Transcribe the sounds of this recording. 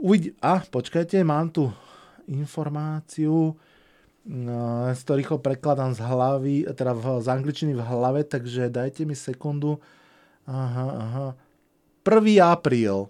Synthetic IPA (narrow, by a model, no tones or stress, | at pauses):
uʋiɟiʔaːpɔt͡ʃkajcɛmaːmt̪u | infɔɾmaːt͡siu | skt̪ɔɾiːxɔpɾɛklad̪amzɦlaʋit̪ɛd̪azaŋɡlit͡ʃinivɦlaʋɛt̪aɡʒɛd̪ajcɛmisɛkund̪u | aɦaaɦa | pr̩ʋiːapɾiːl